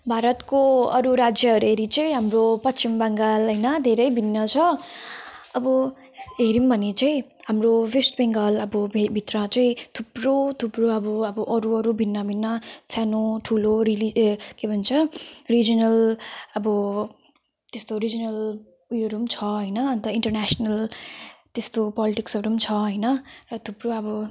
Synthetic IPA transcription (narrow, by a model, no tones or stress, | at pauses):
bʱaɾʌt̪koʌɾuɾad͡ʒjʌʌɾueɾit͡sʌjɦamɾopʌtt͡ʃimbaŋɡʌlɦʌjnʌd̪ʱeɾʌjbʱinːʌt͡ʃʰʌ | ʌbʌ | eɾimbʱʌnit͡sʌj̃ɦamɾobesʈbeŋɡʌlʌbʌbbʱit̪ɾat͡sʌj̃t̪ʰubɾot̪ʰubɾoʌbʌʌbʌʔʌɾuʌɾubʱinːabʱinːʌsanoʈʰuloɾilikebʱʌnt͡sʰʌrid͡zʌnʌlʌbʌ | t̪est̪oɾid͡zʌnʌl | ujoɾumt͡sʰʌɦʌjnʌːnt̪ʌiɳʈʌrnasʌnʌl | t̪est̪opɔliʈiksʌɾumt͡sʰʌɦʌjnʌrʌt̪ʰubroʌbʌ